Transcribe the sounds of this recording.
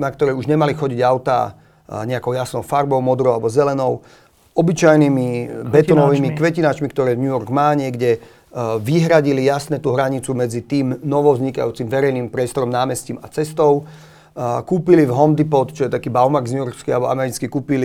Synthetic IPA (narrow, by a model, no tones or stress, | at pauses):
nak̚t̪ɔɾɛjuʒɲɛmalixɔɟiɟaʊt̪a̰ | ɲɛakɔʊjasnɔʊfaɾbɔʊmɔd̪ɾɔʊalɛbɔzɛlɛnɔʊ | ɔbit͡ʃajnimibɛt̪ɔnɔʋiːmikʋɛcinat͡ʃmikt̪ɔɾɛːvɲujɔɾɡmaːɲɪɛɡɟɛ | ʋiɦɾaɟilijasnɛːt̪uːɦɾaɲit͡sumɛd͡zit̪iːmnɔʋɔʊzɲika̰juːt͡simʋɛɾɛjniːmpɾɪɛst̪ɔɾɔmnaːmɛsciːmat͡sɛst̪ɔʊ | kuːpilivɦɔnd̪ipɔt̪t͡ʃɔjɛt̪akiːbaʊmaɡzɲujɔɾkskɛalɛbɔʔa̰mɛɾit͡skikuːpili